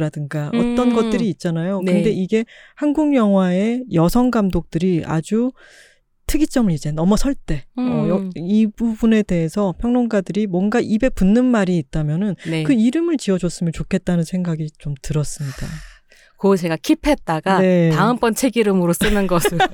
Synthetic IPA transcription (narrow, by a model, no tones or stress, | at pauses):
ɾadɯnɡaʌt͈ʌnɡʌt̚t͈ɯɾiːt̚t͡ɕ͈anajonɯnde̞iɡe̞hanɡuŋjʌŋɦwae̞jʌsʰʌŋɡamdok̚t͈ɯɾia̰d͡ʑu | tʰɯɡit͡ɕ͈ʌmɯɭid͡ʑenʌmʌsʰʌɭt͈e̞ʌjʌibubune̞te̞ɦesʰʌpʰjʌŋnoŋɡadɯɾimwʌnɡaʔibe̞punːɯnmaɾiːt̚t͈amjʌnɯnnkɯiɾɯmɯɭt͡ɕiʌd͡ʑʌs͈ɯmjʌnt͡ɕokʰe̞t̚t͈anɯnsʰeŋɡaɡit͡ɕomtɯɾʌs͈ɯmɲid̥a | kot͡ɕe̞ɡakʰipʰe̞t̚t͈aɡane̞taɯmp͈ʌnt͡ɕʰe̞ɡiɾɯmɯɾos͈ɯnɯnɡʌsʰɯ